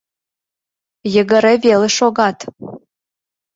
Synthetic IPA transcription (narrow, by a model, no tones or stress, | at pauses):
jə̆ɡə̆ɾeveleʃoɣɑt̪